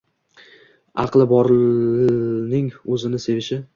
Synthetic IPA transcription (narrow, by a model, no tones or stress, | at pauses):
ɑqlˠɪbɒɾɪ | nɪŋɵzɪnɪse̞vɪʃɪ